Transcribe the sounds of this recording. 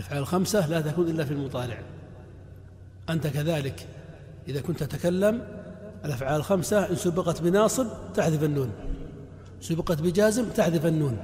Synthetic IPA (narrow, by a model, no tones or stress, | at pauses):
lʔafʕaːllxamsalat̪akuːnʔɪlːafilmʊt̪ˤɑːlɪ̰ʕ | ʔant̪akaðaːlɪk | ʔɪðakʊnt̪at̪akalːamʔalʔafʕaːlɪlxamsaʔɪnsʊbɪqɑt̪bɪnɑːsˤɨb̚t̪aħðɪfanːuːn | sʊbɪqɑt̪bɪd͡ʒaːzɪmt̪aħðɪfanːuːn